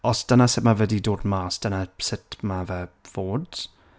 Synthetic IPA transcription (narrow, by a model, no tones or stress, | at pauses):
ɔsd̥ənasɪtmavədidoːdmaːsd̥ənasɪtʰmavɛv̥oːd